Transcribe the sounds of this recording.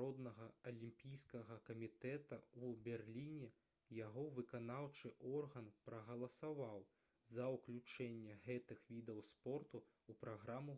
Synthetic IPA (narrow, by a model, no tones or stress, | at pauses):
ɔd̪nɐɣɐɐlʲimpʲijskɐɣɐkɐmʲit̪ɛt̪ɐubʲɛrlʲinʲɛ | jaɣɔvɨkanawt͡ʂɨʔɔrɣɐnpɾɐɣɐlˠɐsavaw | zɐwklʲut͡ʂɛnʲːɛɣɛt̪ɨxvʲid̪ɐwspɔrt̪u | upɾaɣɾamu